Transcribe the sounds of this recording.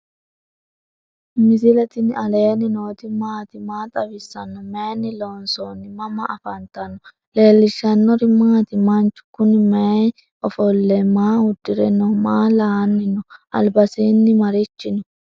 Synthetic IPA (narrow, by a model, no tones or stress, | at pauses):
mɪzɪlɛt̪ɪnɐleːnɪnoːt̪ɪmaːt̪ɪmaːt̪ʼɐbɪsːɐnːɔmenɪloːnsonːɪmɐmɐʔɐfɐnt̪ɐnɔ | le̞ːlːɪʃːɐnːɔɾɪmaːt̪ɪmɐnt͡ʃːʊ̥kʊnɪmɛ | ʔɔfɔlːɛmaːhʊd̪ːɪɾɛnːɔmaːlaːnːɪnɔʔɐ̰lbɐsiːnːɪmɐɾɪt͡ʃːɪnɔ